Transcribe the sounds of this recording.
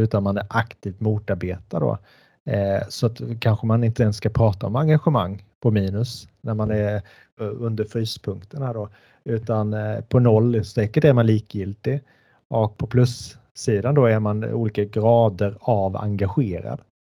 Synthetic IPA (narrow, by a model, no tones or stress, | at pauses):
ʉ̟ːt̪anmanæɾʔakt̪ʰiːft̪muːt̪aɾbeːt̪ad̪ɔ̰ | sɔat̪kʰanɧəmanɪnt̪əɛnskapʰɾɑːt̪aɔmaŋɡaɧəmaŋːpʰɔmiːnɵsnæɾmanæɾ | ɵnd̪əɾfɾyːspʰɵŋkt̪ənaɖɔ | ʉ̟ːt̪anpʰɔnɔlːsɛːkəʈæɾmanliːkjɪlt̪ɪ | ʔɔk̚pʰɔpʰlɵsː | iːd̪and̪ɔæɾmanṵːliːkaɡɾɑːd̪əɾava̰ŋɡaɧeːɾa̰d̪̥